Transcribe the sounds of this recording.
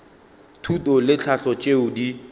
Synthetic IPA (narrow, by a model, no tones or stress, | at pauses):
tʰutʼɔlɪt͡ɬʰaɬɔt͡ʃʼeʊdi